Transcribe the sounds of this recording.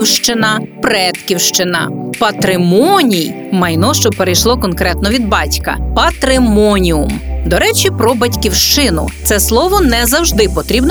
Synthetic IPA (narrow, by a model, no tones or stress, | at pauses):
wʃt͡ʃɪnɐpɾɛt̪kʲiwʃt͡ʃɪnɐ̰pɐt̪ɾɪmɔnʲij | mɐjnɔʃt͡ʃɔpeɾejʃlˠɔkɔnkɾɛt̪nɔʋʲid̪̚bɑtʲkɐ̰pɐt̪ɾɪmɔnʲiʊmd̪ɔɾɛt͡ʃʲipɾɔbɐtʲkʲiwʃt͡ʃɪnʊ̰t̪sɛslˠɔʋɔnɛzɐwʒd̪ɪpɔt̪ɾʲibn